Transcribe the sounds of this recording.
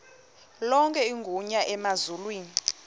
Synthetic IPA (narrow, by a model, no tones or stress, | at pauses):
lɔŋkʼɛiŋɡʱuɲaʔɛmazulwiːni